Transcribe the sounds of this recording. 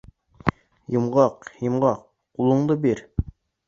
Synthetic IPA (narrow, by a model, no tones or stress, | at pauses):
jɤmʁɑqjɤ̆mʁɑq | ulˠuɴd̪ɤbiɾ